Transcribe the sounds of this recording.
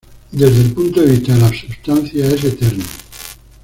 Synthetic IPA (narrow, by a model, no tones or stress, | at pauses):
d̪ezðelpunt̪oðeβist̪aelasust̪anθjaeset̪eɾno